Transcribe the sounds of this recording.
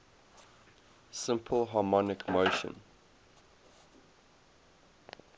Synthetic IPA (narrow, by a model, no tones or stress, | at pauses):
sɪ̃mpʰəlˠɦɑmɔnɪkʰmoʊʃə̰̃n